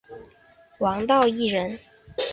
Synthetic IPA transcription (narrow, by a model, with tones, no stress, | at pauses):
wɑ˧˥ŋt̪ɑ˥˧ʊi˥˩ɻə˧˥n